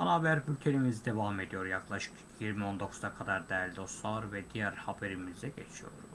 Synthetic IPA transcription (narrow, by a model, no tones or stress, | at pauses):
anaːbæɾbylʲc̪ʰenimizid̪e̞vame̞d̪ijo̞ɾjaklˠaʃɯ̥k | jiɾmio̞nd̪o̞kʰu̥zakʰad̪aɾd̪ɛælʲd̪osˠaɾvɛd̪ijæɾhabeɾimizɛɟet͡ʃʰijo̞̰ɾ